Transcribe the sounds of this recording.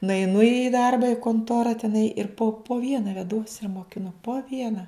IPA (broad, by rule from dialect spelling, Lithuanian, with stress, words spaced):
nʊɛɪˈnʊ iː ˈdɐrbɐ ɪ koːnˈtoːrɐ tʲɛˈnɐɪ ɪr poː poː ˈʋʲiɛnɐ ʋʲɛˈduɔs ɪr moːkʲɪˈnʊ poː ˈʋʲiɛnɐ